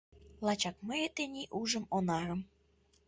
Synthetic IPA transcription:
lɑt͡ɕɑk̚məjet̪enʲiʔuʒə̆monɑɾə̆m

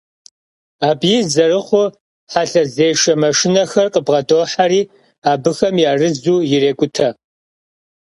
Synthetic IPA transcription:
aːbjɪzɐrɨχʷʊ | ħaɬɐzeːʂɐmɐʂɪnɐxɐrqʼəbʁɐdoːħaɾiː | aːbɨxɐmjaːrɨzuːjɪreːkʷʼʊtʰɐ

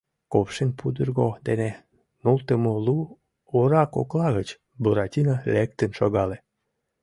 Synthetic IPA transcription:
kopʃenʲpʰud̪ərɣod̪ene | nult̪əmolu | oɾɑko̰klɑɣət͡ɕ | buɾɑtʲinəlek̚t̪ənʃoɣɑle

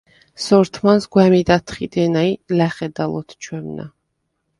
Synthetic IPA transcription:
sɔɾt̪ʰmansɡwɛmid̪at̪ʰχid̪ɛnailɛχɛd̪alˠɔ̰t̪ʰt͡ʃʰwɛmna̰

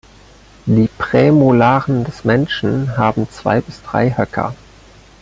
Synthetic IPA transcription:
d̥iːpʁ̥ɛːmolaːʁəndɛsmɛnʃn̩ɦaːbm̩t͡sv̥a̰ɪbɪsd̥ʁa̰ɪhœkʰɐ̰

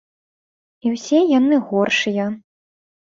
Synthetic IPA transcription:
iwsʲɛjanɨɣɔrʂɨjɐ

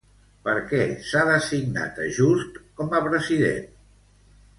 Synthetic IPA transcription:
pəɾkɛsaðəsiɡna̰t̪əʒust̪kɔməpɾəziðḛn

